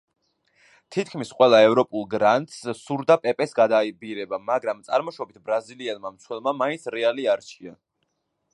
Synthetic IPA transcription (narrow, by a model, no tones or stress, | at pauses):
t̪ʰit̪̚ʰkʰmisqʼwɛlˠaɛvɾɔpʼulˠɡɾant̪ʼssuɾd̪apʼɛpʼɛsɡad̪aibiɾɛbamaɡɾamt̪sʼaɾmɔʃɔbit̪ʰbɾaziliɛlˠmamt̪sʰwɛlˠmamaint̪sʰɾɛaliaɾt͡ʃʰia